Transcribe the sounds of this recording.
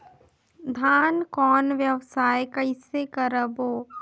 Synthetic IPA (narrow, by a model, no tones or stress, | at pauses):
d̪ʱaːnkɔːnʋjəʋsaːjkɐɪsekəɾəboː